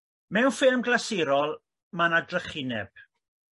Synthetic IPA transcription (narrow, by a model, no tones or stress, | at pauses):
mɛwnfɪlˠmɡlasiɾɔlˠ | manadrəχɪnɛb̥̚